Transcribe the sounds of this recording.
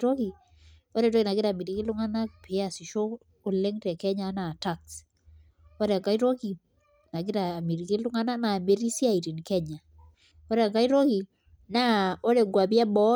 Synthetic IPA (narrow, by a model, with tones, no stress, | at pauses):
ɾo˦ki˨ | ɔ˦ɾɛ˨ɾɔ˦ki˨na˨ɡɪ˦ɾa˨mi˨ɾi˨˦ki˦lu˦ŋa˦na˦kpʰe˨˦a˨si˨ʃo˦ | o˨le˦ŋtɛ˨kɛ˦ɲa˨˦na˨ta˦ks | o˦ɾɛ˨a˨ka˦i˦ɾo˦ki˨ | na˨ɡi˦ɾa˨mi˨ɾi˨ki˦lu˦ŋa˦na˦na˨me˦ɾi˦si˦a˨i˨ɾi˨nkɛ˦ɲa˨ | ɔ˦ɾɛ˨a˨ka˦i˦ɾo˦ki˨ | na˦o˦ɾe˨ŋɡwa˨bja˦bɔ˦